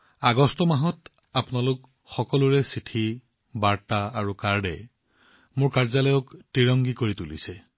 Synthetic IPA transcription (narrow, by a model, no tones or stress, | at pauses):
aɡɔstɔmaɦɔt | apʊnalʊk | xɔkɔlʊɹɛsitʰi | baɹtaaɹukaɹdɛ̰ | mʊɹkaɹzalɔjɔktɹiɹɔŋɡikoɹitulḭsɛ